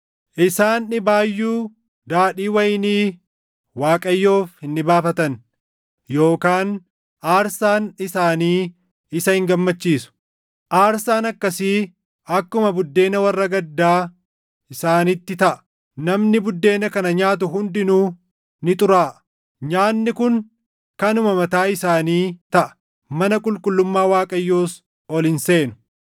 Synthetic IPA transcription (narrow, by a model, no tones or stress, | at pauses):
ʔɪsaːnːɪbaːjːuː | d̪aːᶑiːwɐjniː | waːkʼɐjːo̞ːfhɪnːɪbaːfɐt̪ɐn | jo̞ːkaːn | ʔaːɾsaːnɪsaːniː | ɪsɐhɪŋɡɐmːɐt͡ʃːiːsʊ̥ | ʔaːɾsaːnɐkːɐsi | ɐkːʊmɐbʊd̪ːe̞ːnɐwɐrːɐɡɐd̪ːaː | ɪsaːnɪt̪ːɪt̪ɐʔɐ̥ | nɐmnɪbʊd̪ːe̞ːnɐkɐnɐɲaːt̪̬ʊɦʊnd̪ɪnuː | nɪt̪ʼʊɾaːʔ | ɲaːnːɪkʊŋ | kɐnʊmɐmɐt̪aːɪsaːniːt̪ɐʔɐ̥ | mɐnɐkʼʊlkʼʊlːʊmːaːwaːkʼɐjːoːs | ɔlɪnse̞ːnʊ̥